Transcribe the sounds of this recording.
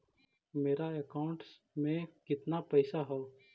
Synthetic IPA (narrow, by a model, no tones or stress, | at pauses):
meːɾaekaːʊ̃ɳʈs | mẽkɪt̪napɛɪsaɦɛo